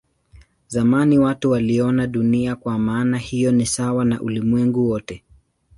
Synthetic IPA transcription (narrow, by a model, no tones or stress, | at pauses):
zamaniwatuwaliɔnaɗuniakwamaːnahijɔnisawana̰ʔulimwɛŋɡuwɔtɛ